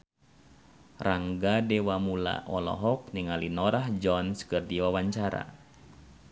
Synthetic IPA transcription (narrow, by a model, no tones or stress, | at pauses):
raŋɡadɛwamula̰ʔɔlɔ̰ɦɔk̚niŋalinɔɾahd͡ʒɔnskɨrdiwawaɲt͡ʃaɾa̰